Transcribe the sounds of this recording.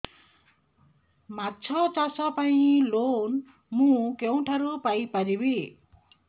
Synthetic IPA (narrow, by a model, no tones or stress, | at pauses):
mat͡sʰʌt͡sasʌpaĩlon | mũkew̃ʈʰaɾupajpaɾibi